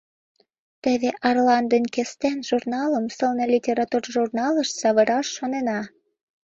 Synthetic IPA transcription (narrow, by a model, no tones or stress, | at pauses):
t̪ĕβeʔɑrlɑnd̪ənʲkest̪enʒurnɑləmsəlnelʲitʲeɾɑt̪urʒurnɑləʃsɑβə̆ɾɑʃːonenɑ